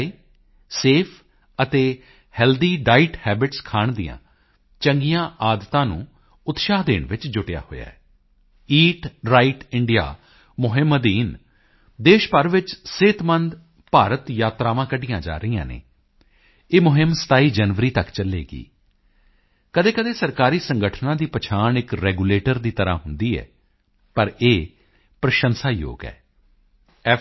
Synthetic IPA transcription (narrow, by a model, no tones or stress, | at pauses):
iː | seːpʰ | ət̪eː | hɛːld̪iːɖaːɪʈhɛːbɪʈskʰaːɳd̪ijã̰ː | t͡ʃəŋɡijãːʔaːd̪t̪ãːnṵ̃ː | ʊt̪ʃaːɦd̪ḛːɳʋɪt͡ʃd͡ʒʊʈja̰ːho̰ːja̰ːɛ | iːʈɾaːɪʈɪɳɖɪja̰ː | mʊɦɪməd̪iːn | d̪eːʃpəɾʋɪt͡ʃsɪt̪mənd̪ | paːɾət̪jaːt̪ɾaːʋãːkəɖijãːd͡ʒa̰ːɾəijã̰ːnḛː | eːmʊɦɪmsə̥t̪aːiːd͡ʒənʋəɾiːt̪əkt͡ʃəlːeːɡḭː | kəd̪eːkəd̪eːsəɾkaːɾiːsəŋɡəʈʰnãːd̪iːpət͡ʃʰaːɳɪkɾɛːɡuːleːʈəɾd̪iːt̪əɾã̰ːɦʊnd̪iːɛ̰ː | pəɾeː | pɾəʃənsaːjo̰ːɡɛ̰ː | ɛ